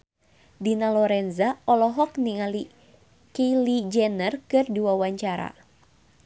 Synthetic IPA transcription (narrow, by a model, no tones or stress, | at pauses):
dinalɔɾɛnzaɔlɔɦɔk̚niŋali | kelid͡ʒɛnərkɨrdiwawaɲt͡ʃaɾa̰